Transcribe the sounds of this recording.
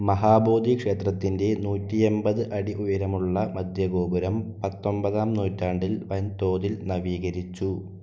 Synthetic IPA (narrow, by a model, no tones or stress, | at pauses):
mɐɦaːbo̞ːd̪ikʂe̞ːt̪rɐt̪ːinde̞nuːtːie̞mbɐðɨʔɐɽiʔujɐɾɐmuɭːɐmɐd̪ʱjɐɡo̞ːbuɾɐmpɐt̪ːo̞mbɐðaːmnuːtːaːɳɖilʋɐnt̪o̞ːd̪ilnɐʋiːɣɐɾit͡ɕːu